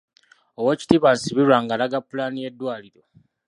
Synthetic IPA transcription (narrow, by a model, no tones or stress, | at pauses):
owoci̥tiβansiβiɾwaːŋɡalaɡapːulaːnije̞dːwaːliɾo̞